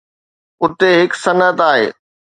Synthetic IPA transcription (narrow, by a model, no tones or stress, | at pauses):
ʊt̪eɦɪksɐnət̪aːɦḛː